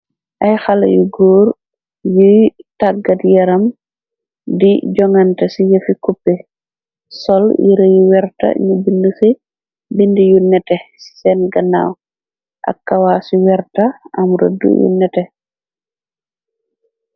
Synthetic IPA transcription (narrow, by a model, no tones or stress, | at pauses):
ʔɐjxalɐ̰jṵɡuːɾ | jujtaɡatjɛɾɐm | diɟɔŋantɐsijəfikupːɛ | sɔljḭɾɐjuwɛɾta̰ɲubindusi | bindijunɛtɛsi̥sɛnɡɐna̰w | ʔa̰kːawasiwɛɾtaʔɐmɾo̰dṵjṵnɛtɛ